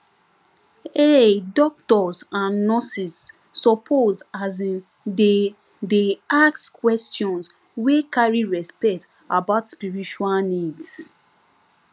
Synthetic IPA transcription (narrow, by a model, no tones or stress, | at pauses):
edɔk̚tɔsãnːɔsisː | ɔpʰozazĩn | de | deakskwɛstjɔ̃ns | wekaɹiɹɛspɛkt | abaʊtspiɹit͡ʃualnids